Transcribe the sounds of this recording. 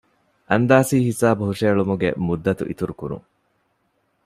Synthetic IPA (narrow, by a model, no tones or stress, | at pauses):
ʔɐnd̪aːsiːhisaːbuɦuʂeːɭumuɡḛmud̪ːɐt̪ṵʔḭt̪uɾukuɾṵŋ